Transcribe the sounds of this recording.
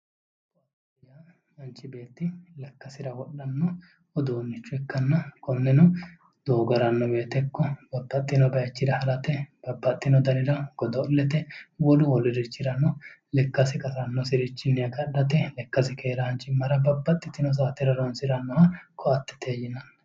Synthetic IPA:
t̪ɔɐt̪ | ɪja | hɐnt͡ʃʼːɪbe̞ːt̪ːɪlɐkːɐsɪɾɐwɔɗɐnːɔ | ɔd̪oːnːɪt͡ʃːʊɛkːɐnːɐkɔnːɛnɔ | d̪̥oːɡɔɾɐnːɔbe̞ːt̪ɛkːɔbɐbːɐt̪ʼːɪnɔbɐjɐt͡ʃːɪɾɐhɐlɐt̪ɛb̥ɐbːɐt̪ʼːɪnɔd̪ɐnɪɾɐɡ̥ɔd̪ɔlːɛt̪ɛwɔlʊwɔlɪɾɪt͡ʃːɪɾɐnɔlɛkːɐsɪkʼɐsɐnːɔsɪɾɪt͡ʃːɪnːɛɐɡɐɗːɐt̪ɛlɛkːɐsɪkʰeːɾɐhɐnt͡ʃʼːɪmːɐɾɐbɐbːɐt̪ʼːɪt̪ːɪnɔs̬aːt̪ɪɾɐɾɔnsɪɾɐnːɔhɐkʰɔɐt̪ːɛ̥t̪ʰeːjɪnɐnɐ

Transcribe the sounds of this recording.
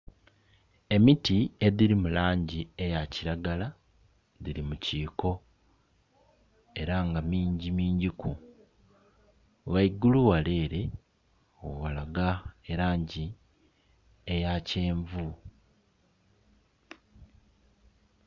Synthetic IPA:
e̞mitie̞ðiɾimulaːɲɟiejaciɾaɡala | diɾimuciːko̞ | e̞ɾaŋɡamiːɲɟimiːɲɟiku | waiɡuluwale̞ːɾe̞ | owalaɡaeɾaːɲɟi | ejace̞ːɱvu

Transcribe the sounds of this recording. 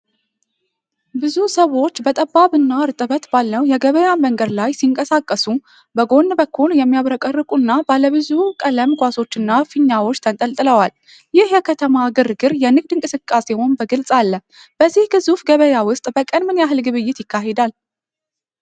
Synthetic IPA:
bɨzusəwo̞t͡ʃːbət̪ʼəbːaβɨnːaɨɾt̪ʼɨβət̪balːəwjɛɡəβəjaməŋɡəd̪lajsiŋkʼəsakʼːəsu | bəɡo̞nːbəkʰːuljɛmːijaβɾəkʼərːɨkʼunːabaləβɨzukʼələmkʷʼaso̞t͡ʃːɨnːafɨɲːawo̞t͡ʃːt̪ʰənt̪ʼəlt̪ʼɨləwal | jɪhjɛkʰət̪ʰəmaɡɨrɡɨɾjɛnɨɡ̚d̪ɨŋkʼɨsɨkʼːase̞ho̞nbəɡɨlsʼalːə | b̥əzːihɡɨzufɡəβəjawʊst̪ʼbəkʼənmɨnjaɦɨlɡɨβɨjːɪt̪jɪkʰːaɦed̪al

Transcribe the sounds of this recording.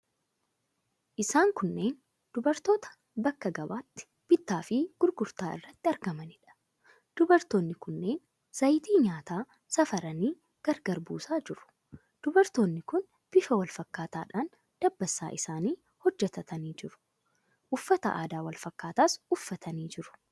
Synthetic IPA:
ʔɪsaːŋkʊnːe̞ːn | d̪̥ʊbɐɾt̪o̞ːt̪ɐ̥ | bɐkːɐɡɐbaːt̪ːɪ̥ | b̥ɪt̪ːaːfɪɡ̥ʊɾɡʊɾt̪aːʔɪ̰rːɐt̪ːɪɐɾɡɐmɐnɪᶑɐ̥ | d̪̥ʊbɐɾt̪oːnːɪkʊnːe̞ːn | sɐjt̪iːɲaːt̪aː | sɐfɐɾɐniː | ɡ̥ɐɾɡɐɾbuːsaːd͡ʒɪɾʊ̥ | d̪̥ʊbɐɾt̪oːnːɪkʊn | b̥ɪfɐwɐlfɐkːaːt̪aːᶑaːn | d̪̥ɐbːɐsːa̰ːʔɪsaːniː | hɔd͡ʒːɛt̪ɐt̪ʰɐniːd͡ʒɪɾʊ̥ | ʔʊfːɐt̪ɐ̰ʔa̰ːd̪aːwɐlfɐkːaːt̪aːsʊfːɐt̪ʰɐniːd͡ʒɪɾʊ̥

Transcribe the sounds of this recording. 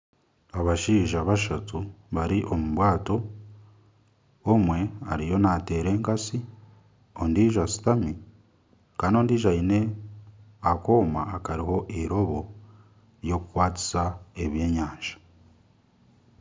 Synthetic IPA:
aβaʃiːʒaβaʃatuβaɾiʔo̞muβwaːto̞ | mwe̞a̰ɾijo̞nate̞ɾe̞ːŋkasi | o̞ndiːʒasi̥tami | kaːno̞ːndiːʒaine̞ | ako̞ːma̰ːkaɾiɦo̞ʔiɾo̞βo̞ | jo̞kukwaːti̥sae̞βje̞ːɲaːnʒḁ

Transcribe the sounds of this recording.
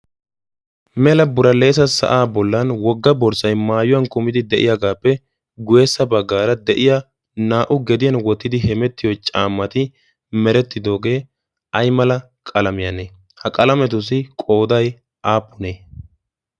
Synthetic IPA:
mɛlɐbʊɾɐle̞ːsɐsɐ̰ʔaːbɔlːɐnwɔɡːɐbɔɾsɐjmaːjʊwɐnkʊmɪd̪ɪd̪ɛʔɪ̰jaɡaːpːɛ | ɡʊjeːsːɐbɐɡːaːɾɐd̪ɛʔɪja | naːʔʊɡɛd̪ɪjɐnwɔt̪ːɪd̪ɪɦɛmɛt̪ːɪjot͡ʃʼaːmːɐt̪ɪ | mɛɾɛt̪ːɪd̪o̞ːɡe̞ː | ɐjmɐlɐ | kʼɐlɐmɪjɐneː | hɐkʼɐlɐmɛt̪̬ʊs̬ɪkʼo̞ːd̪ɐj | ʔaːpːʊneː

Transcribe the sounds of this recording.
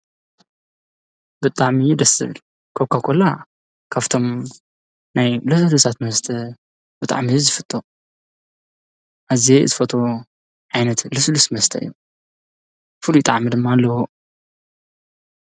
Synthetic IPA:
b̥ɨt̪ʼaʕmijɪd̪ɐsɨ̰β | kʰokʰːakʰola | kʰaβt̪ʰo̞m | najlɨslusʰat̪mɐst̪ʰɐ | b̥ɨt̪ʼa̰ʕmizɨfɨt̪ʼːo | ʔazeɨ̰zɨfɐt̪ʰo | ʕajnɐt̪lɨslusmɐst̪ʰɐɨ̰jːu | fɨlujt̪ʼaʕmid̪ɨmːalːɐwo

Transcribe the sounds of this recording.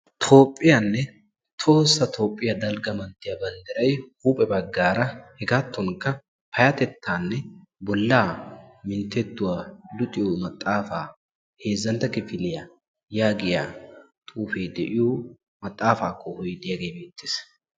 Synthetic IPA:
t̪ʰo̞ːpʼːɪjanːɛ | t̪ʰo̞ːsːɐt̪ʰo̞ːpʼːɪjɐd̪ɐlɡɐmɐnt̪ːɪjɐbɐnd̪ɛɾɐjhuːpʼɛbɐɡːaːɾɐhɛɡaːt̪ːɔŋkɐ | pɐjɐt̪ɛt̪ːaːnːɛ | bɔlːaːmɪnt̪ːɛt̪ːʊwaːlʊt̪ʼɪjomɐt̪ʼːaːfaː | he̞ːzːɐnt̪ːɐkɪfɪlɪja | jaːɡɪja̰ː | t̪ʼuːfeːd̪ɛʔɪjo | mɐt̪ʼːaːfaːkːɔhɔjd̪ɪjaɡe̞jbe̞ːt̪ːɪ̥ːs

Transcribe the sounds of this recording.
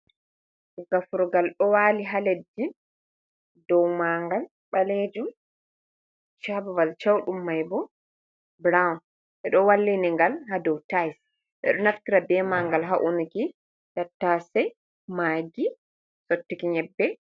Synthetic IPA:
ɡafuɾɔɡalɗɔwaːliɦaledːi | dɔwmaŋɡal | ɓaled͡ʒum | t͡ʃabavalt͡ʃawɗumːajbɔ | bɾawn | ʔɛɗɔwalːiniŋɡalɦadɔwtajs | ʔɛ̰ɗɔnafkiɾabɛmaŋɡalɦaʔuniki | tatːasɛ | maːɡi | sotːikiɲɛbːɛ

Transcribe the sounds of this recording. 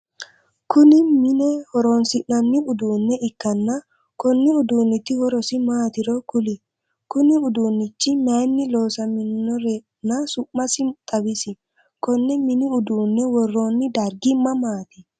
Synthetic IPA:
kʊnɪmɪnɛhɔɾoːnsɪʔnɐnːɪʊd̪uːnːɛɪkːɐnːɐ | kɔnːɪʊd̪uːnːɪt̪ːɪhɔɾɔsɪmaːt̪ɪɾɔkʊlɪ | kʊnɪʊd̪uːnːɪt͡ʃːɪmaːnːɪlo̞ːsɐmɪnːɔɾe | nɐsʊʔːɐsɪt̪ʼɐwɪsɪ | kɔnːɛmɪnɪʊd̪uːnːɛwɔrːo̞ːnːɪd̪ɐɾɡɪmːɐmaːt̪ɪ

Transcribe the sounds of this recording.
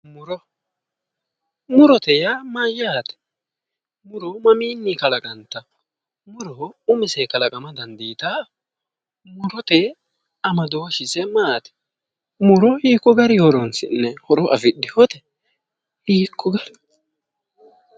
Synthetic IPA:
mʊɾɔ | mʊɾɔt̪ɛjamajːaːt̪ɛ̥ | mʊɾɔmɐmiːnːikɐlɐkʼɐnt̪ːɐ | mʊɾɔʊmɪsɛkɐlɐkʼɐmɐd̪ɐnd̪iːt̪aː | mʊɾɔt̪e | ɐmɐd̪oːʃɪsɛmaːt̪ɛ̥ | mʊɾɔhiːkːɔɡɐɾɪhɔɾɔnsɪ̰nːɛhɔɾɔʔɐfɪdːɪhɔt̪ɛ̥ | hiːkʰːɔɡɐɾ

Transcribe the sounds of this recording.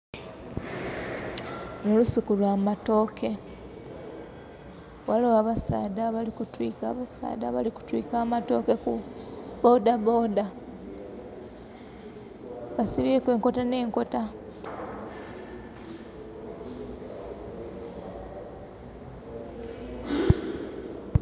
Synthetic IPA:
nolusukulwaːmato̞ːkʰe̞ | walowaβasa̰ːdaβalikutwiːka̰ːβasa̰ːdaβa̰liku̥twikaːmato̞ːke̞kubo̞daboda | βasiβeːkwe̞ːŋko̞tane̞ːŋko̞ta

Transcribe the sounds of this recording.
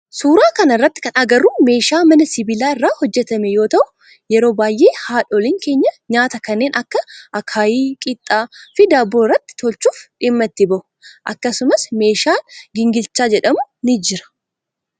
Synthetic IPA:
suːɾaːkɐnɐrːɐt̪ːɪ̥kɐnɐɡɐrːuːme̞ːʃaːmɐnɐsɪbɪlaːɪrːaːhɔd͡ʒːɛt̪ɐmɛjo̞ːt̪ɐʔʊ | jɛɾo̞ːbaːjʔe̞ːhaːᶑɔlɪːŋke̞ːɲːɐɲaːt̪ɐkɐnːe̞ːnʔɐkːɐʔɐkʰaːjiːkʼɪt̪ʼːaːfɪd̪ɐbːoːɪrːɐt̪ːɪ̥t̪ʰɔlt͡ʃuːfᶑɪmːɐt̪ːɪbɐʔʊ̥ʔɐkːɐsʊmɐsme̞ːʃaːɡɪŋɡɪlt͡ʃːaːd͡ʒɛᶑɐmʊnɪd͡ʒɪɾɐ̥

